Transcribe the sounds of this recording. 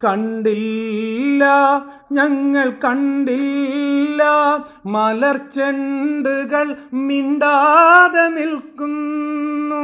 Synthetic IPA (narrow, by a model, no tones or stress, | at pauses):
kɐɳɖilː | ɐ | ɲɐŋːɐɭkɐɳɖilː | ɐ | mɐlɐrt͡ɕeɳɖuɣɐɭmiɳɖaːðenilkːunː | u